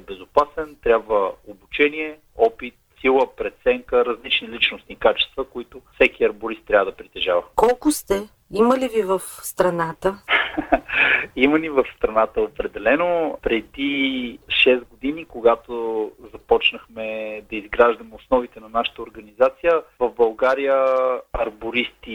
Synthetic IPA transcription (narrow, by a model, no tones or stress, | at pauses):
bɛzʊpasɛnt̪ɾʲjabvəobut͡ʃɛniɛ | ɔpit̪̚silˠəpɾɛt̪sɛŋkəɾɐzlit͡ʃnilit͡ʃnʊsniːkat͡ʃɛ̥st̪vəkoit̪ʊfsɛkiɐɾbʊɾist̪ːɾʲavəd̪ɐpɾit̪ɛʒavɐkɔlˠkʊst̪ɛ | iməlivivəfst̪ɾɐnat̪ə | imənivəfst̪ɾɐnat̪əopɾɛd̪ɛlɛnopɾɛd̪iʃɛst̪ɡod̪inikoɡat̪ozɐpɔt͡ʃnəxmɛd̪ɐizɡɾaʒd̪ɐmɛʊsnɔvit̪ɛnɐnaʃə̥t̪əoɾɡɐnizat̪sijəvəvbɐlˠɡaɾijəɐɾboɾist̪i